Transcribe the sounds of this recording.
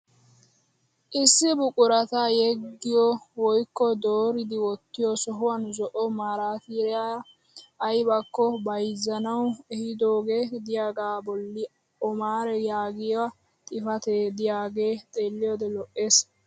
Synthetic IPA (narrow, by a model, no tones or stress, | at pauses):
ʔɪsːɪbʊkʼʊɾɐt̪ajɛɡːɪjɔwɔjkːɔd̪oːɾɪd̪ɪwɔt̪ːɪjɔsɔɦʊwɐnzɔʔɔmaːɾaːt̪iɾɛa | ɐjbɐkːɔbɐjzːɐnɐwɛhɪd̪o̞ːɡeːd̪ɪjaːɡaːbɔlːɪ | ʔɔmaːɾɛjaːɡɪjwɐ | t̪ʼɪfɐt̪ed̪ɪjaːɡe̞ːt̪ʼeːlːɪjɔd̪ɛlɔʔe̞ːs